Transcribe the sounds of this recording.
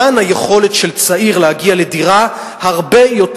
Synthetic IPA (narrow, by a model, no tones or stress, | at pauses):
anajeχo̞letʃelt͡saiʁlehaɡiale̞diʁa | haʁbe̞jo̞t